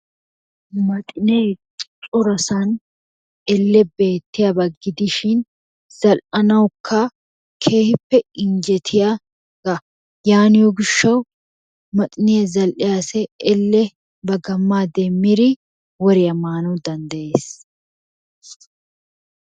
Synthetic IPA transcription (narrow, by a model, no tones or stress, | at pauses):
mɐt̪ʼɪneː | t͡ʃʼʊɾɐsɐn | ɛlːɛbe̞ːt̪ːɪjɐbɐɡːɪd̪ɪʃɪn | z̥ɐlʔɐnɐwkʰːɐ | kʰeːhɪpːɛɪnd͡ʒɛt̪ʰɪja | ɡ̥ɐ | jaːnɪjoɡɪʃːɐw | mɐt̪ʼɪnɪjɐzɐlʔɪjasɛɛlːɛ | bɐɡɐmːaːd̪ɛmːɪɾɪ | wɔɾɪjɐmaːnɐwd̪ɐnd̪ɐʔe̞ːs